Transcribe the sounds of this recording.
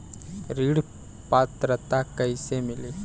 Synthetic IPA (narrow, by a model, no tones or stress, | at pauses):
ɾiːɽ | paːt̪ɾɐt̪akɐjseːmili